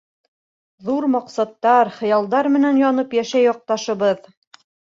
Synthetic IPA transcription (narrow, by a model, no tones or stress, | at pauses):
ðuɾmɑqsɑt̪ːɑɾχɤ̆jɑlˠd̪ɑɾmɘ̆nænjɒnɤpjæʃæjɒq̚t̪ɑʃɤ̆βɤð